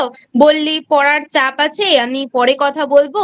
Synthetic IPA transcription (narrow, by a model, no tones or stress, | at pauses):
bolːipɔɽaɾt͡ɕapat͡ɕʰeamipɔɽekɔt̪ʰabolbo